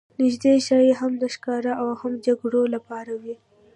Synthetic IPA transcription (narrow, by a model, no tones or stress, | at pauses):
nɪʒd̪eʃɑjeɦamd̪əʃkɑɾaʔawhamd͡ʒaɡɽolapɑɾawi